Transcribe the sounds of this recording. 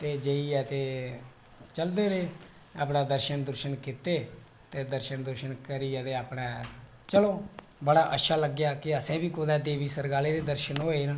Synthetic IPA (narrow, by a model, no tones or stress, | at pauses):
t̪eːd͡ʒəiːɛːt̪eː | t͡ʃəld̪eːɾeː | a̰ːpnaːd̪əɾʃənd̪əɾʃənkɪt̪eː | t̪eːd̪əɾʃənd̪əɾʃənkəɾiːɛːt̪eːaːpɽɛː | t͡ʃəloː | bəɽaːʔə̰tːʃʰaːləɡjaːkɪəsɛ̃ːbiːkoːd̪ɛːd̪eːʋiːsəɾɡaːleːɾeːd̪əɾʃənɦoːeːnãː